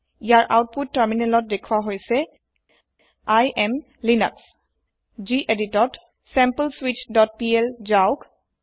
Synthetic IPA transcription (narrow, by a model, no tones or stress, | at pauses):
ijaɹʔa̰wt̚putːəɹminɛlɔt̚dekʰuwaɦojsɛ | ajʔɛm | lina̰ks | ziʔeditɔt | sɛ̃mpəlswitdɔt̚piɛlzaʊk